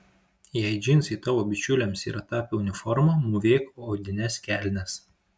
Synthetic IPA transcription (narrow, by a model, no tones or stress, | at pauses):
jɛɪd͡ʒʲɪnʲsiːt̪ɑːʋoːbʲɪt͡ʃʲʊlʲɛmsḭːɾɐt̪ɑːpʲɛʊnʲɪfɔɾmɐmʊʋʲeːkooːd̪ʲɪnʲɛskʲæːlʲnʲɛs